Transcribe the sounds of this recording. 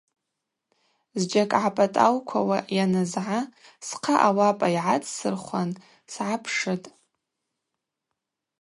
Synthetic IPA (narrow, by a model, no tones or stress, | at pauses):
zd͡ʒakʼʕapʼatʼawkʷʰawajanazʕasqʰaʔawapʼaiʕat͡sʼsɨrχʷan | sʕapʰʂɨtʼ